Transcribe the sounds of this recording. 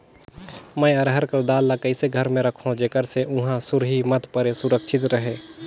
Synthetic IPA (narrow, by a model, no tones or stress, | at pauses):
mɛ̃ːɐɾɦəɾkəɾd̪aːlːakəɪseɡʱəɾmẽɾəkʰõd͡ʒeːkəɾseʔʊ̃ɦãsʊɾɦimət̪pəɾesʊɾəkʃʰɪt̪ɾəɦeː